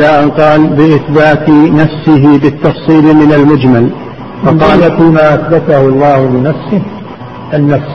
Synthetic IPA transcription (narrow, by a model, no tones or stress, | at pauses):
laʔanqɑːlbɪʔɪθbaːt̪nafsɪɦɪbɪt̪ːɑfsˤiːlmɪnalmʊd͡ʒmal | wɑnqɑːlat̪imaːʔaθbat̪ahʊɑlˤːɑːhʊlɪnafsɪh | ʔanːafs